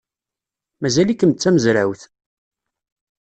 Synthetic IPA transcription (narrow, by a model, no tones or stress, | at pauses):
mæzælikːəmt͡sːæməzɾæ̰wθ